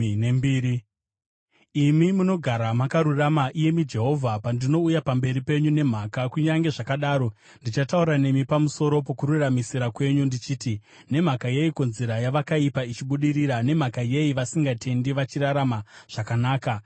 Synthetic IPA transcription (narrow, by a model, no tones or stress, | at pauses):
embiːi | imimuno̞ɡʱaɾamakaɾuramaʔije̞mid͡ʒe̞ɦo̞vʱapandino̞ujapambe̞ɾipe̞ɲune̞m̤aːkakuɲaŋɡe̞ʐakaɗaːɾo̞ | ndit͡ʃatauɾane̞mipamuso̞ɾo̞po̞kuɾuramisiɾakwe̞ɲundit͡ʃiːti | ne̞m̤akaje̞ikonzeɾajaʋakaipait͡ʃiɓuɗiɾiɾane̞m̤akaje̞iʋasiŋɡatʰe̞ndiʋat͡ʃiɾaɾamaʐ̥akanaːka